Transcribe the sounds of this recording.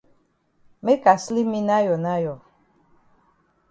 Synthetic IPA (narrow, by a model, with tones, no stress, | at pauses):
me˦ka˨sli˦mĩ˦na˦jɔ˨na˦jɔ˨